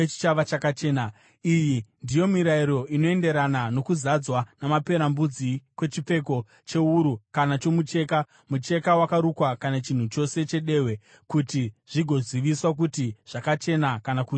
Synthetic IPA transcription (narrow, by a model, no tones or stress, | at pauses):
t͡ʃi̥t͡ʃaʋat͡ʃakat͡ʃe̞ːna | ijindijo̞miɾaiɾo̞ino̞e̞nde̞ɾanano̞kuzad͡zwanamape̞ɾambud͡zikwe̞t͡ʃip͡fe̞ko̞ | t͡ʃe̞uɾukanat͡ʃo̞mut͡ʃe̞ːka | mut͡ʃe̞kawakaɾukwakanat͡ʃin̤ut͡ʃo̞se̞t͡ʃe̞ɗe̞we̞ | kutiʐ̥iɡʱo̞ziʋiswak̬utiʐ̥akat͡ʃe̞nakanaku